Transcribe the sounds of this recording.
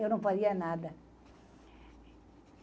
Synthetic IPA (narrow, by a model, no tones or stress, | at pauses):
ewnõɱfaðianaða